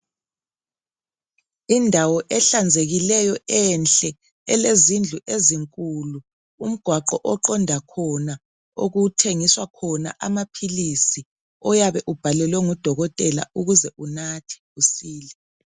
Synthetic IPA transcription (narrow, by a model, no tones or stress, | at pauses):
indʱawɔʔɛɬand͡zʱeɣilɛjɔɛnɬɛ | ɛlezind͡ɮʱuʔeziŋkʼuluː | m̩ɡ̥ʱwaǃɔʔɔǃɔndʱakʰɔna | o̰ɣutʰeŋiswakʰɔna̰ʔamapʰilisi | ɔjaβɛʔub̥ʱalɛlwɛŋud̥ʱɔɣɔtʼɛla̰uɣuzɛʔunatʰi̥usiːlɛ